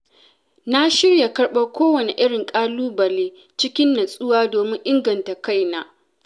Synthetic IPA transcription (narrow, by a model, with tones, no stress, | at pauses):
na˦ʃɪ˦rja˨kɐ˦ɽɓa˦kʷoː˦wɐ˨ne˨ʔɪ˦ɽɪ˨ŋkʼaː˦luː˦bɐ˨leː˦ | t͡ʃɪ˦kʲɪ˦nːɐ˨sʼʊ˦waː˦doː˨mɪ˦ŋʔɪ˦ŋɡɐ˨nta˨ka˦˨jna˦